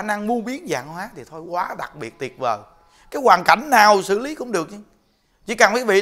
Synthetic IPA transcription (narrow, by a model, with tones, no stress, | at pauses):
na˧ŋmu˧əɓi˦˥ət̚za̰ː˨ŋhwaː˨˦t̪ʰi˨˩t̪ʰo˧jkwaː˨˦ɗa̰˨˩k̚ɓi˨˩ət̚t̪i˨˩ət̚vəː˨˩ | kaː˨˦jkwaː˨˩nka̰˧˩jŋ̟naː˨˩wsɨ̰˧˨li˨˦kʊ̰˧˥ŋ͡mɗɨ˨˩ək̚ɲa˧ | t͡ɕḭ˧˥kaː˨˩nfaː˨˦jvḭ˧˨